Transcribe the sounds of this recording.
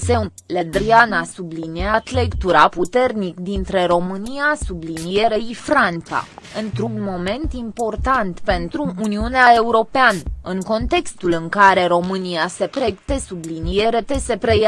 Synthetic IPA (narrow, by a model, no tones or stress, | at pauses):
se̞uled̪ɾianasubliniat̪le̞kt̪uɾaput̪e̞rnikd̪int̪ɾe̞ɾo̞mɨnijasublinijeɾeifɾant̪sa̰ɨnt̪ɾunmo̞me̞nt̪impo̞rt̪ant̪pe̞nt̪ɾuːniuneae̞uɾo̞peanəɨŋko̞nt̪e̞kst̪ulɨŋkaɾe̞ɾo̞mɨnijase̞pɾe̞kt̪e̞sublinijeɾe̞t̪e̞se̞pɾe̞ja